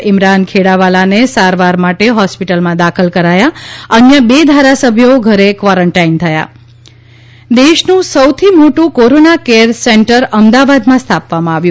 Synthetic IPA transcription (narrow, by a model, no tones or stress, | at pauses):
ɪmɾankʰeɽaʋalanesaɾʋaɾmaʈeɦɔspiʈəlmãd̪akʰəlkəɾajaənjəbed̪ʱaɾasəbʱjoɡʱəɾekʋaɾəɳʈaint̪ʰəja̰ | d̪eʃnũsəwt̪ʰimoʈũkoɾonakeɾseɳʈəɾəmd̪aʋad̪mãst̪ʰapʋamãaʋjũ